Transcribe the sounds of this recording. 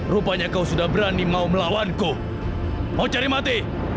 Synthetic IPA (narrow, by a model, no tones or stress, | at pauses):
rupaɲakausudahbəɾanimauməlawanku | maut͡ʃaɾimat̪i